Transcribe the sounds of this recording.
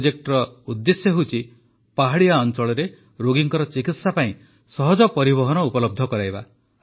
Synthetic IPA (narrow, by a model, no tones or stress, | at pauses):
d͡ʒek̚ʈɔɾɔud̪ːesjɔɦut͡ʃʰi | paɦaɽijaɔnt͡ʃɔɭɔɾe | ɾoɡiŋkɔɾɔt͡ʃikit̪sapaĩ | sɔɦɔd͡ʒɔpɔɾiβɔɦɔnɔupɔlɔb̚d̪ʱɔkɔɾajba̰